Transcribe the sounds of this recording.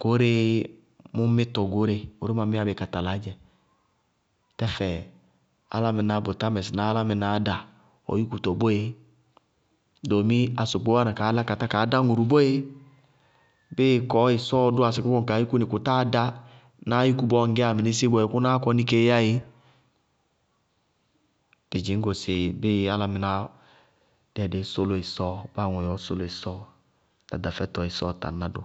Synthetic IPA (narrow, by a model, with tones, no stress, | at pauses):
ko˦ɾɪ˦ | mu˦mɪ˦tɔ˨ɡo˨˦ɾe˦o˦ɾe˦ma˨mi˦a˦bɪ˨ka˨ta˨la˨˦d͡ʒɛ˨ | tɛ˦fɛ˨ | a̰˦la˦mɪ˨na˨˦bo˨ta˦mɛ˨sna˨˦la˦mɪ˨na˨˦da˨ | ɔ̰˨ju˦ku˨tɔ˨bo˦je˦ | do˨mi˦a˨so˨k͡po˦a˦na˨kaː˨˦a˦ka˨ta˦kaː˨˦da˦ŋu˨ɾu˨bo˦je˦ | bɪ˦˨kɔ˨˦ɪ˨sɔː˦dʊ˦a˨sɪ˨ku˦kɔ˦ŋ˨ka˨˦ji˦ku˦nɪ˨kʊ˨ta˦da˦ | na˦ji˦ku˦bɔ˦ŋ˦ɡɛ˦a˨mɪ˨nɪ˦sɪ˦bɔ˦˨e˨ku˦na˦kɔ˧˦ni˦ke˦ja˦je˦ | b̥ɪ˨d͡ʒɪ˨˦ŋ̩˦ɡo˨sɪ˨bɪ˦˨a˦la˨mɪ˨na˦ | d̥ɛ˨de˨˦so˦lo˨ɪ˨sɔː˦˨ba˦˨ŋɔ˨jɔ˨˦so˦lo˨i˨sɔː˦˨ | ta̰˨da˨fɛ˦tɔ˨ɪ˨sɔ˦˨ta̰˨na˦dʊ̰˦